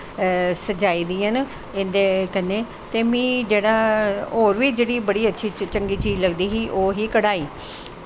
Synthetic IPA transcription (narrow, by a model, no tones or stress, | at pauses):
səd͡ʒaːiːd̪ĩːən | ɪnd̪eːkənːeː | t̪eːmĩːd͡ʒeːɽaːoːɾʋɪt͡ʃd͡ʒeːɽiːbəɽiːətːʃʰiːt͡ʃəŋɡiːt͡ʃiːd͡ʒləɡd̪iːɦiːʔoːɦiːkəɽaːiː